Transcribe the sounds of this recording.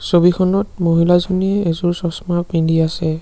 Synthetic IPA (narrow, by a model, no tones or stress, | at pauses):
sobikʰɔnɔtmoɦilazuniɛezuɹsɔsmapindiasɛ